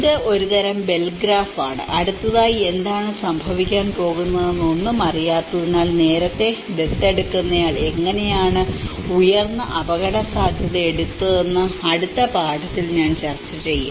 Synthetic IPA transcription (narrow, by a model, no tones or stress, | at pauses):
iðeʔo̞ɾut̪ɐɾɐmbe̞lɡɾaːfaːɳɨ̰ʔɐɽut̪ːɐðaːjie̞nd̪aːɳɨsɐmbʱɐʋikʲːaːnpo̞ːɣunːɐðenːonːɨmɐrijaːt̪ːunːaːlne̞ːɾɐt̪ːe̞ʋet̪ːe̞ɽukːunːɐjaːɭe̞ŋːɐne̞jaːɳɨujɐrnːɐʔɐbɐɣɐɽɐsaːd̪ʱjɐðɐeɽut̪ːɨðenːɨɐɽut̪ːɐbʱaːɽɐt̪ːilɲaːnt͡ɕɐrt͡ɕːɐt͡ɕe̞jːṵm